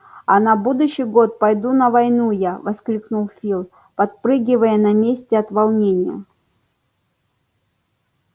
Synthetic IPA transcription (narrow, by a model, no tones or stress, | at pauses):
ɐnɐbud̪ʊɕːɪjɡo̞t̪̚pɐjd̪unəvɐjnujavɐsklʲiknulˠfʲilˠ | pɐt̪̚pɾɨɡʲɪvəjənɐmʲesʲtʲɪɐt̪vɐlˠnʲenʲɪjə̰